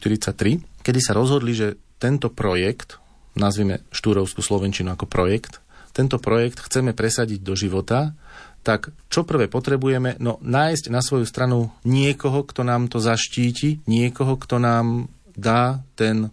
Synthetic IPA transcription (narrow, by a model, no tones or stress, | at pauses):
t̪iɾit͡sac̚t̪ɾikɛd̪isaɾɔzɦɔd̪liʒɛt̪ɛnt̪ɔpɾɔjɛkt̪ | nazʋiːmɛ̰ʃt̪uːɾɔʊskuslɔʋɛnt͡ʃinuakɔpɾɔjɛkt̪ː | ɛnt̪ɔpɾɔjɛkt̪xt͡sɛmɛpɾɛsaɟiɟ̚d̪ɔʒiʋɔt̪at̪akt͡ʃɔpr̩ʋɛpɔt̪ɾɛbujɛmɛnɔnaːjsɟnasʋɔjust̪ɾanuɲɪɛkɔɦɔkt̪ɔnaːmt̪ɔzaʃciːciɲɪɛkɔɦɔkt̪ɔnaːm | d̪aːt̪ɛn